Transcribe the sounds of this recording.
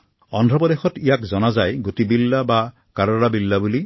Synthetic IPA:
ɔndʱɹɔpɔdexɔtijakzɔnazajɡutibilːaba | kaɾɔɹabilːabuli

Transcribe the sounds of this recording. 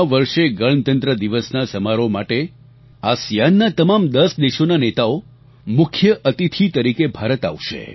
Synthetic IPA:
ʋəɾʃeɡəɭnt̪ənt̪ɾəd̪iʋəsnasəmaɾomaʈe | asjanːat̪əmamd̪əsd̪eʃonanet̪ao | mʊkʰjəʔət̪it̪ʰit̪əɾikebʱaɾət̪a̰ʋʃḛ

